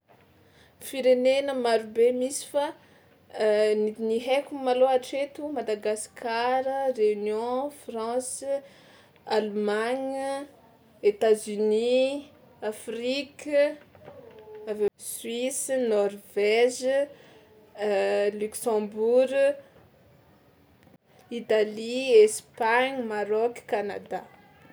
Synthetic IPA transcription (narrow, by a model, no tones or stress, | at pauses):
fiɾenenəmaɾubemisi̥fa | nid̪niɦekumaloaʈ͡ʂet̪umad̪aɡaskʰaɾəreynjɔ̃frɑ̃s | almaɲ | et̪azyni | afrik | avesɥwisnɔrvɛʒ | lyksɑ̃buɾ | it̪aliespaɲmaɾɔkkana̰d̪a̰